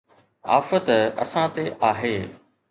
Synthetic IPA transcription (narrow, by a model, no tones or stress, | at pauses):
a̰ːfət̪ɐ̰sãt̪eʔaːɦeː